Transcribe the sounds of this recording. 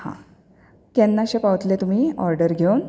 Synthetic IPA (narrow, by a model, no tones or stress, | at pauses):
hã̰ | kjanːaɕepaʋət̪let̪um̤iːɔɾɖəɾɡʱewn